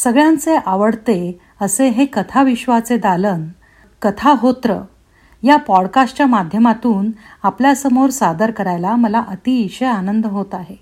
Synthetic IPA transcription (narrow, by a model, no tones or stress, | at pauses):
səɡɭjãnt͡seʔaʋəɽt̪e | əseɦekət̪ʰaʋiɕʋat͡sed̪alən | kət̪ʰaɦot̪ɾə | japɔɽkasʈt͡ɕjamad̪ʱjəmat̪uːnapljasəmoɾsad̪əɾkəɾajlaməlaʔət̪iːɕəjanənd̪əɦot̪aɦe